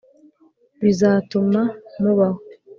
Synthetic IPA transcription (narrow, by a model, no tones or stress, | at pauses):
βizaːtumamuβaho